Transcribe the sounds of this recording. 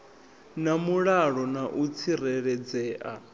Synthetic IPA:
namuɺaɺɔnaʔut͡sʰiɾɛɺɛd͡zɛːʔa̰

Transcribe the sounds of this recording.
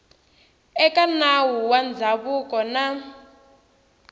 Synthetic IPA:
ɛkanawuwand͡zʱaβukʼɔna

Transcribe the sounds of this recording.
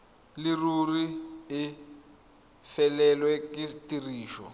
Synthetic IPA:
lɪruriɪ | fɛlɛlwɛkɪtiriːʃɔ̰

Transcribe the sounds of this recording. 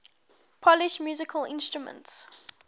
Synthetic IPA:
pʰɔlɪʃmjuːzɪkʰəlɪ̰̃nstɹumə̰̃nts

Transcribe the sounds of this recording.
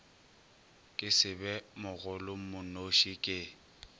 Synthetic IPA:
kʼɪsɪbɛmʊɣʊlʊm̩mʊnoʃikʼɪ

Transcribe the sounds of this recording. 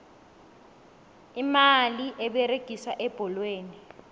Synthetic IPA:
imaliʔɛɓɛreɡ̥ʱisaʔɛb̥ʱɔlweːni

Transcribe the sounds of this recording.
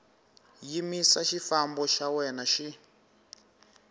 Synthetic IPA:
jimisaʃifambɔʃawɛnaʃi

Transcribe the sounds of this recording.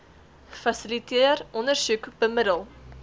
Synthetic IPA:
fɐsilitiərɔnərsukbəmədəlˠ

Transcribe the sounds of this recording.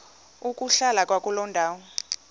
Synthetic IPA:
ukʼuɬalakʼwakʼulɔndʱaːwɔ

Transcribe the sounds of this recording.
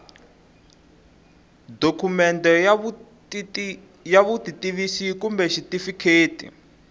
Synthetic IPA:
dokʰumɛntɔj | jaβutitiβisikumbɛʃitifikʰeːtḭ

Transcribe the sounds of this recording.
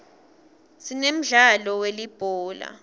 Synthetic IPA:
sinem̩ɮalɔwelib̥ʱɔːla̰

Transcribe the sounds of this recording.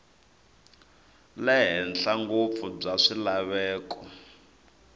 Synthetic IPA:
lɛɦɛnɬaŋɡop̪fub͡ʐaʂilaβɛːkɔ

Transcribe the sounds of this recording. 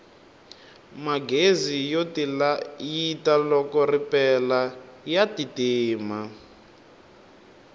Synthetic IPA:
maɡezijotilajitalɔkɔripɛlajatitiːma

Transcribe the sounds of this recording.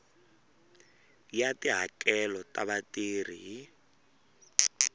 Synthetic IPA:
jatiɦakɛlɔtʼaβatiːr̤iɦi

